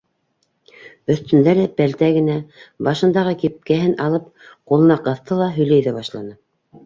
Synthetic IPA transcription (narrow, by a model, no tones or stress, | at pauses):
ɵ̆θt̪ɵ̆nd̪æɾɘpælt̪æɡɘ̆næbɑʃɤ̆nd̪ɑʁɤkip̚kæɦɘnʔɑlˠɤp̚qulˠɤ̆nɑqɤ̆θt̪ʰɤlˠɑɦɵ̆jlæjðæβɑʃlˠɑ̰nɤ